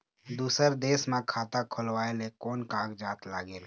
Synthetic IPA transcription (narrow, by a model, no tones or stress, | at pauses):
d̪uːsəɾd̪eːsmẽkʰaːt̪akʰʊlwaːelekɔːnkãːkd͡ʒaːt̪laːɡeːl